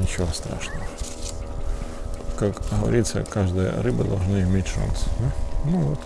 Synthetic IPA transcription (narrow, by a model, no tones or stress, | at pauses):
nʲɪt͡ɕɪvost̪ɾa̰ʂnəvə | kakɣəvɐ̰ɾʲit̪sə̰kaʐd̪ɨjə̰ɾɨbəd̪ɐ̰lˠʐnɨɪmʲetʲʂa̰nsanuvot̪